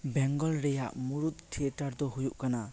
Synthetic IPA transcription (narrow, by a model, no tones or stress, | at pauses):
bɛŋɡɔlɾejaʔmuɾut̚tʰːietaɾdɔɦujuʔkana